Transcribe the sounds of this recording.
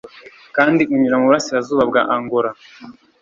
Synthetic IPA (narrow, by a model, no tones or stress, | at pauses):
kaːndiʔuɲuɾamuβuɾasiɾazuːβabɡa̰ʔaŋɡoɾa